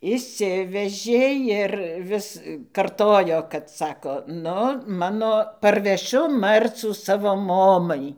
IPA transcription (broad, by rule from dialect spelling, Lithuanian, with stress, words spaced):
ɪʃʲˈsʲɪʋʲɛʒʲeː ɪr ˈʋʲɪs ˈkɐrtoːjoː kɐt ˈsɑːkoː nʊ ˈmɑːnoː pɐrʲʋʲɛˈʃʲʊ ˈmɐrt͡suː ˈsɑːʋoː ˈmoːmɐɪ